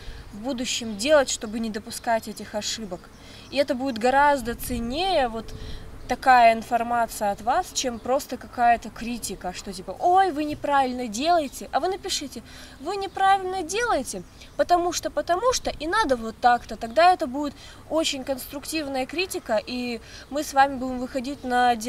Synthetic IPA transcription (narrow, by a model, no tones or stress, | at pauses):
vbud̪ʊɕːɪmdʲe̞lˠətʲʂt̪o̞bɨnʲɪd̪əpʊskatʲɛtʲɪxɐʂɨbək | iɛt̪əbudʲɪt̪ɡɐɾazd̪ət̪sɨnʲːejəvo̞t̪ːɐkajəɪnfɐrmat̪sɨjəɐt̪vast͡ɕempɾo̞st̪əkɐkajət̪əkɾʲitʲɪkəʂt̪o̞tʲipəʔojvɨnʲɪpɾavʲɪlʲnədʲe̞lˠəjɪtʲɪʔɐvɨnəpʲɪʂɨtʲɪ | vɨnʲɪpɾavʲɪlʲnədʲe̞lˠəjɪtʲɪ | pət̪ɐmuʂt̪opət̪ɐmuʂt̪oʔɪnad̪əvot̪ːakt̪ət̪ɐɡd̪aɛt̪əbudʲɪt̪ | ot͡ɕɪnʲkənst̪ɾʊktʲivnəjəkɾʲitʲɪkəʔi | mɨsvamʲɪbudʲɪmvɨxɐdʲit̚ʲnədʲ